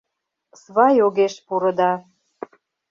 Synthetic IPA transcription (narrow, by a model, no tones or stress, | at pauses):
sβɑjoɣeʃpuɾɤ̆d̪ɑ